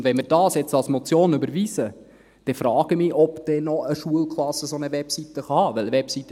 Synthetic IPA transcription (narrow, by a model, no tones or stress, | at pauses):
ndvɛnmɪɾd̥ɑːsjɛt͡stɑlsmɔt͡sjoːnʏbəɾʋiːsə | d̥ɛfɾɑːɡ̥əmɪːʔɔpd̪̥ɛnɔəʃuəlkχlɑsːəsonəʋɛpsit̪əχɑhɑːʋɛləʋɛpsit̪ə